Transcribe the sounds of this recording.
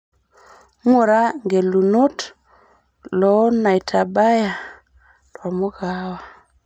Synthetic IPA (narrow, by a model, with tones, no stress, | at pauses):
ŋo˨ɾa˦ŋɡe˨lu˨no˦t | lɔ˨˦na˨jtʰa˨ba˦ja˨ | twa˨mo˦ɡa˦wa˨